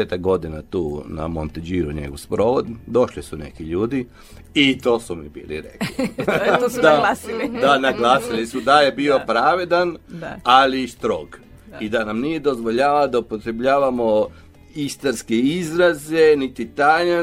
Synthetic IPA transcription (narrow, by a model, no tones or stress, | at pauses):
et̪aɡ̚ɡo̞d̪inat̪uːna̰mo̰nt̪ed͡ʒiːɾuɲḛɡoʋspɾoːʋod̪d̪o̞ʃlisune̞̰kiʎuːd̪i | it̪o̞ːsumibḭːlḭɾḛklid̪aailid̪anaɡlaːsilisud̪ajebiːo̞pɾaːʋed̪analist̪ɾo̞ɡ | id̪anamnije̞d̪o̞zʋoʎaːʋad̪aupo̞t̪ɾebʎaːʋamo̞ | ist̪aɾskeizɾaze̞nit̪it̪aɲa